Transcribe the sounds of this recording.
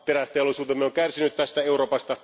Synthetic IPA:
t̪eɾæst̪elosuːt̪emːeoŋkærsinyt̪t̪æst̪æe̞uɾo̞ːpɑst̪ɑ

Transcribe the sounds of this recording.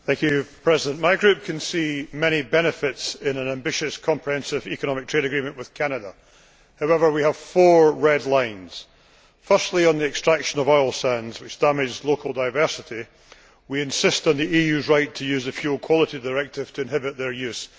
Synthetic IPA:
θæ̃ŋkʰjʉpʰɹ̥ɛzɪdə̃nmaɪɡɹʉp̚kʰɨ̃nsimɛɾ̃ibɛñɨfɪtsɪ̃nə̃nãmbɪʃɨskʰɒ̃mpʰɹihɛ̃nsɪvikəñɔmɪk̚tʰɹeɾɨɡɹimə̃nʔwɨð̥kʰanədə | haʊɛvə˞wiəv̥fɔɹɹɛdˡlˠãɪ̃nz̥ | fɜ˞stˡlˠiə̃nðiɛkstɹ̥akʃə̃nəvɔɪlˠsãnz̥wɨt͡ʃd̥amɪd͡ʒzlˠokʰəl̩ˠdaɪvɜ˞sɪʔi | wiɪ̃nsɪstn̩ðiʔijʉzɹaɪtʰəjʉzəfjʉlˠkʰw̥ɔlˠɪʔidəɹɛk̚tʰɪv̥tʰəɨ̃nɦɪbɪʔ̚ðə˞jʉs

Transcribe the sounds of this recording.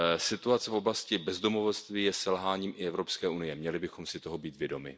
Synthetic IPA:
sɪt̪uat͡sɛfʔo̞blascɪbɛzdo̞movost̪viːjɛsɛlɦaːɲiːmʔɪɛvɾo̞pskɛːʔunɪjɛmɲɛlɪbɪxomsɪt̪o̞ɦo̞biːt̪vjɛdo̞mɪ̰

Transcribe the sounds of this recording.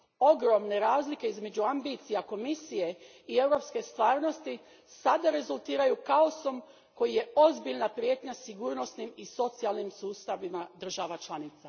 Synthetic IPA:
o̞ɡɾo̞mne̞ɾaːzlike̞izme̞d͡ʑuambit̪sijako̞misije̞ | ie̞wɾo̞pske̞st̪ʋaːɾno̞st̪i | sad̪aɾe̞zulˠt̪iːɾajukaoso̞m | ko̞jije̞o̞zbiʎnapɾjet̪ɲasiɡuːɾno̞snimiso̞t̪sialˠnimsuːst̪aʋimad̪r̩ʒaʋat͡ʃlˠanit̪sa

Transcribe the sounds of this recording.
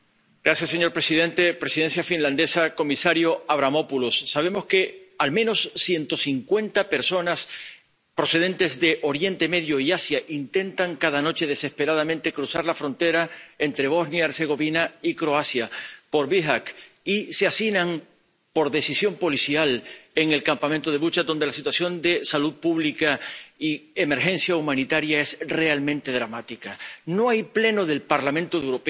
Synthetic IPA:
ɡ̥ɾasjasːe̞ɲo̞ɾpɾe̞siðẽ̞nt̪e̞pɾe̞siðe̞nsjafinlãnd̪e̞sako̞misaɾjo̞aβ̞ɾamo̞pulosːaβ̞e̞mo̞ske̞almẽ̞no̞sːje̞nt̪o̞siŋkwe̞nt̪ape̞ɾso̞nas | pɾo̞se̞ð̞e̞nt̪e̞zðe̞ʔo̞ɾje̞nt̪e̞me̞ðjoiasjaʔint̪e̞nt̪aŋkaðano̞t͡ʃe̞ðe̞se̞spe̞ɾaðamẽnt̪e̞kɾusaɾlafɾõ̞nt̪e̞ɾae̞nt̪ɾe̞β̞o̞znjaeɾse̞ɣ̞o̞βinaikɾo̞asjapo̞ɾβiɦak | iseasinãŋ | po̞ɾðe̞sisjo̞mpo̞lisjale̞ŋe̞lkampamẽnt̪oð̞e̞βut͡ʃad̪o̞nd̪elasit̪wasjo̞nd̪e̞saluð̚puβlikaie̞me̞ɾxẽ̞nsjaumãnit̪aɾjae̞sre̞almẽnt̪e̞ðɾamat̪ikano̞ajple̞no̞ðe̞lpaɾlamẽnt̪oðewɾo̞pe

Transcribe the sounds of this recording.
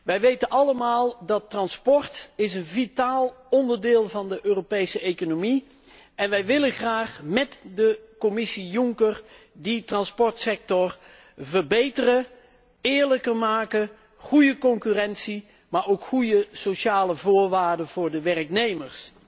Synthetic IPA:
ʋɛjʋejtənɑləmaːlˠdɑtːrɑnspɔɹtɪsənvitaːlˠ | ɔndəɹdɪːlˠvɑndəʔøːropejsəejkonomi | ɛnʋɛjʋɪlənχraːχmɛtdəkomɪsijʊŋkər | ditrɑnspɔɹtsɛk̚tɔr | vərbejtərə | ɪːɹləkərmaːkən | χujəkɔŋkyrɛnsi | maːɹowkχujəsoʃaːləvʊːɹʋaːɹdəvʊːɹdəʋɛrəknejməɹs

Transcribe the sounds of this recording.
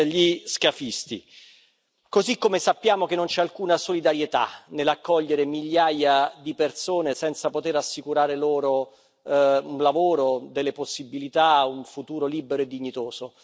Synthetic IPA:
ʎiskafist̪ḭ | kozikːomesapːjaːmok̟enːont͡ʃɛalkuːnasolid̪aɾjet̪a̰nelakːɔʎːeɾemiʎːaːjad̪ipersoːnesɛnt̪sapot̪eɾasːikuɾaːɾeloːɾo | unlavoːɾod̪elːeposːibilit̪auɱfut̪uːɾoliːbeɾoed̪ːiɲːit̪oːz̥o

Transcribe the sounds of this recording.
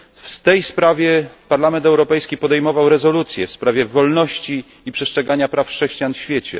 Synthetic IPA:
fst̪ɛjspɾavʲjɛpaɾlamɛnt̪ɛwɾɔpɛjskʲipɔd̪ɛjmɔvawɾɛzɔlut̪sʲjɛfspɾavʲjɛvɔlnɔɕt͡ɕi | ipʂɛstt͡ʂʂɛɡaɲapɾafʂɛɕt͡ɕijanfɕfʲjɛt͡ɕɛ̰

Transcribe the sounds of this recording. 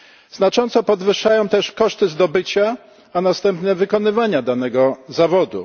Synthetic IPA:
z̥nat͡ʂɔnt̪sɔpɔd̪vɘʂajɔ̃w̃t̪ɛʂkɔʂt̪ɘzd̪ɔbɘt͡ɕa | anast̪ɛmpnɛvɘkɔnɘvaɲad̪anɛɡɔzavɔd̪ṵ

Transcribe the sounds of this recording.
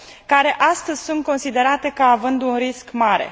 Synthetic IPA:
kaɾe̞ʔast̪əzʲsunt̪̚ko̞nsid̪e̞ɾat̪e̞kəavɨnd̪unriskmaɾe̞̰

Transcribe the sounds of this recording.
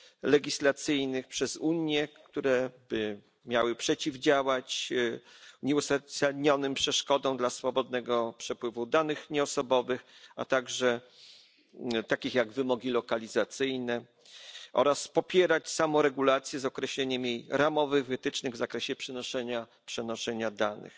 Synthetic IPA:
lɛɡʲislat̪sɘjnɘxpʂɛzuɲjɛkt̪uɾɛbɘ | mʲjawɘpʂɛt͡ɕivd͡ʑawat͡ɕ | ɲɛusasadɲɔnɘmpʂɛʂkɔd̪ɔ̃w̃d̪lasfɔbɔd̪̚nɛɡɔpʂɛpwɘvud̪anɘxɲɛɔsɔbɔvɘxa̰t̪aɡʐɛ | t̪akʲixjaɡvɘmɔɡʲilɔkalʲizat̪sɘjnɛ | ʔɔ̰ɾaspɔpʲjɛɾat͡ɕsamɔ̃wɾɛɡulat̪sʲjɛzɔkɾɛɕlɛɲɛmjejɾamɔvɘɣvɘt̪ɘt͡ʂnɘɣvzakɾɛɕɛpʂɛnɔʂɛɲa | pʂɛnɔʂɛɲad̪anɘ̰x

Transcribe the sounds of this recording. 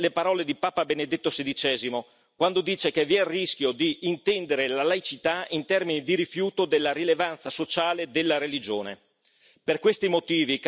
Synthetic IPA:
lepaɾɔːled̪ipaːpabened̪et̪ːosed̪it͡ʃɛːzimo | kwand̪od̪iːt͡ʃekeviɛrːisk̟ʲjod̪iʔːnt̪ɛnd̪eɾelalajt͡ʃit̪aint̪ɛrminid̪iɾifjuːt̪od̪elːaɾilevant̪sasot͡ʃaːled̪elːaɾelid͡ʒoːnḛ | perkwest̪imot̪iːvik

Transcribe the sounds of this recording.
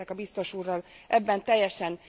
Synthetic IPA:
ɛkɒbist̪o̞ʃuːrːɒl | ʔɛbːɛnt̪ɛjːɛʃɛn

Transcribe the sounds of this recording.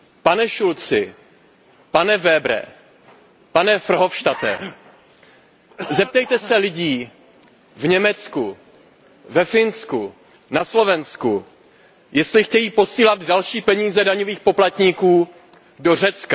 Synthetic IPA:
panɛʃult͡sɪ | panɛvɛbɾɛ̰ | panɛfr̩ɦo̞fʃt̪at̪ɛ̰ | zɛp̚t̪ɛjt̪ɛsɛlɪɟiː | vɲɛmɛt͡sku | vɛfɪnsku | naslo̞vɛnsku | jɛst̪lɪxcɛjiːpo̞siːlad̪dalʃiːpɛɲiːzɛdaɲoviːxpo̞plat̪ɲikuː | do̞r̝ɛt͡ska

